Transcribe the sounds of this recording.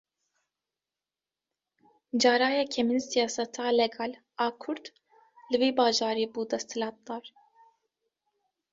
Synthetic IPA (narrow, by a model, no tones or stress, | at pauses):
d͡ʒɑːɾɑːjɑːkʰɛminsijɑːsɛt̪ʰɑːlɛɡɑːl | ɑːkʰʊɾd̪ | lɨviːbɑːʒɑːɾiːbuːd̪ɛst̪ʰɨlɑːt̪̚d̪ɑːɾ